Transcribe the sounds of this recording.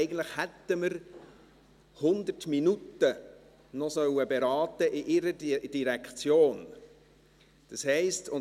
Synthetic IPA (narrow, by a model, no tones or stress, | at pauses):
ɪɡəntləχhɛt̪ːəməɾ | hʊnd̪ətminutə | nɔsœwəbeɾɑːtəʔɪʔɪɾəd̥iɾɛkt͡sjoːn | d̥ɑshɛɪstʰʊ